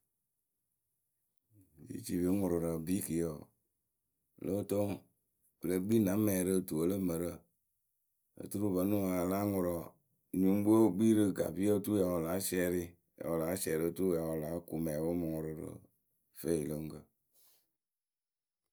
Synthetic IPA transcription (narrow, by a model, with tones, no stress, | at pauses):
jḭ˦t͡ʃi˨vi˨˦ŋʊ˨ɾɨ˨ɾə˨bi˦ki˨jə˨ | lə˦˨to˦ŋ | bə˨lə˦ɡ͡bi˦nã˨˦mːɛ˨ɾə˦˨tu˨ə˨˦lə˦mə˨ɾə˦˨ | ə̰˨tu˦ɾu˦bə˨˦nu˦˨a˨la˦ŋʊ˨ɾɔ˨ | ɲu˨˦m˦bu˦o˦ɡ͡bi˦ɾɨ˧˨ɡa̰˨bi˦ə˦tu˦ja˨wo˨la˨˦sɛː˧˦ɾɪ˦ | ja̰˨wo˨la˨˦sɛ˨ɾə˦˨tu˦˨ja˨wo˨la˨˦ku˨mɛ˨bə˦mɨ˨ŋʊ˨ɾɨ˨ɾə̰˨ | fe˦˨i˨lə˦ŋ˦kə˧˨